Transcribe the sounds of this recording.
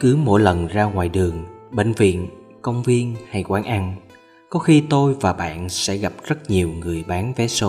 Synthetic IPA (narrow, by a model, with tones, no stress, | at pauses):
kɨ˨˦mo̰˧˥jlə˨˩nzaː˧ŋwa̰ː˨˩jɗɨ˨˩əŋɓḛ˧˨ŋ̟vḭ˧˨ən | kə˧wŋ͡mvi˧ənha˧jkwaː˨˦nʔa˧n | kɔ˨˦xi˧t̪o˧jvaː˨˩ɓa̰ː˧˨nsɛ̰˧˥ɣa˨˩p̚zə˦˥t̚ɲi˨˩əwŋɨ˨˩əjɓaː˨˦nvɛ˨˦so˨˦